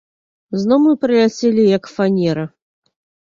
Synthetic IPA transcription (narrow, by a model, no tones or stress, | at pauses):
znɔmɨpɾɨlʲat͡sʲelʲijɐkfanʲɛɾɐ